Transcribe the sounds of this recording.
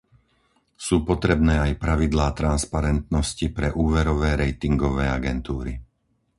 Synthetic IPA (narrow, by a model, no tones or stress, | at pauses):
suːpɔt̪ɾɛbnɛːajpɾaʋid̪laːt̪ɾanspaɾɛnt̪nɔscipɾɛʔuːʋɛɾɔʋɛːɾɛjt̪iŋɡɔʋɛːaɡɛnt̪uːɾi